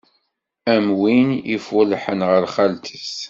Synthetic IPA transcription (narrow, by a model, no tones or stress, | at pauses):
æmwinḭfʊlħənʁəɾχælt̪ʰəs